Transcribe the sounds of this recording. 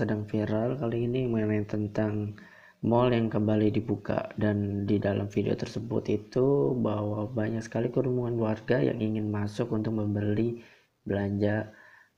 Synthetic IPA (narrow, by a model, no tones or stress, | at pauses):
sədaŋfiɾalkaliɡiniməŋənant̪ənt̪aŋ | mɔljaŋkəmbalidibuka̰dandidalʔa̰mfidḛo̰t̪ərsəbʊ̰t̪it̪ubaɦwabaɲaksə̥kalikəɾumuŋanluwarɡaja̰ŋiŋɪnmasʊkunt̪ʊk̚məmbəli | bəlaɲd͡ʒa